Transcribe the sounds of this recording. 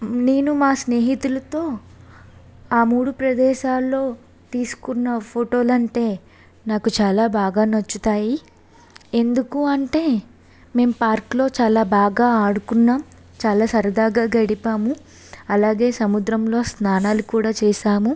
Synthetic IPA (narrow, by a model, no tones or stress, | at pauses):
ne̞ːnumaːsne̞ːɦit̪ulɐt̪o̞ː | aːmuːɽupɾɐd̪ɛːʃaːlːo̞ː | t̪iːsu̥kunːɐpʰoʈo̞ːlɐɳʈe̞ː | naːkut͡ʃaːlaːbaːɡaːnɐt͡ʃːut̪aːji | e̞nd̪ukuɐɳʈe̞ː | me̞ːmpaːɾklo̞ːt͡ʃaːlaːbaːɡaːaːɽukunːaːm | t͡ʃaːlaːsɐɾɐd̪aːɡaːɡɐɽipaːmu | ɐlaːɡe̞ːsɐmud̪ɾɐmlo̞ːsnaːnaːlukuːɽaːt͡ʃɛːʃaːmu